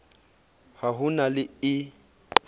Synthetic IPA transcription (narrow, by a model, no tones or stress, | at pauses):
haɦʊnalɪɪ